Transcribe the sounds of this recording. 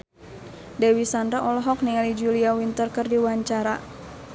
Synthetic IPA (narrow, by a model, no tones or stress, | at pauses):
dewisandaʔɔlɔɦɔk̚niŋalid͡ʒuliawint̪ərkɨrdiwaɲt͡ʃaɾa